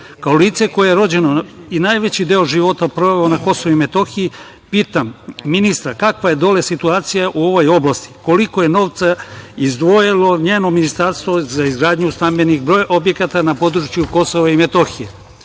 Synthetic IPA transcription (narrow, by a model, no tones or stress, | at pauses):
kaoliːt̪se̞ko̞jejeɾo̞d͡ʑe̞noinajʋe̞t͡ɕid̪e̞oʒiʋo̞t̪apɾo̞ʋeeonako̞soʋuime̞t̪o̞xiji | piːt̪amːinist̪ɾakakʋaje̞d̪o̞lesit̪uaːt̪sijaʔuo̞ʋo̞jo̞blˠast̪i̥ko̞liko̞je̞no̞ːʋt̪saizd̪ʋo̞jilˠo̞ɲeːno̞minist̪aɾst̪ʋo̞zaizɡɾaːd̪ɲust̪ambe̞nixbɾo̞ːjʔo̞bje̞kat̪anapo̞d̪ɾut͡ɕjuko̞soʋaime̞t̪o̞xije